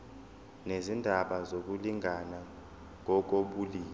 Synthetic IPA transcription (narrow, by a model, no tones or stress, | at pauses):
nezindʱaɓazok̬uliŋʱana | ŋɔk̬oɓuliː